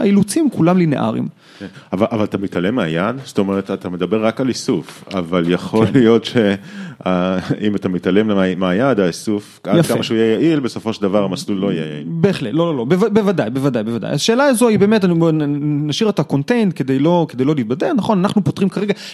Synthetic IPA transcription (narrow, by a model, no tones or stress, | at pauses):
ailut͡simkulamlinḛʔa̰ʁḭm | avalʔavalat̪amit̪alemeajad̪st̪o̞meʁet̪at̪ame̞d̪abe̞ʁːakalisufa̰valjaχo̞lijo̞t̪ʃeaimat̪amit̪alemlemeajad̪aisufajafkamaʃeuijɛjaʔilbeso̞foʃeld̪avaʁamaslulːo̞ijḛja̰ḭbe̞ːχletlo̞lolo̞bevabe̞vadajbe̞vad̪ajbe̞vada̰jaʃe̞ːlaːzo̞ibe̞ːme̞taninaʃiʁet̪ako̞ntendke̞d̪ejlo̞ked̪ejlo̞liːt̪̚badeʁnaχo̞nanaχnupot̪ʁimkaʁeɡa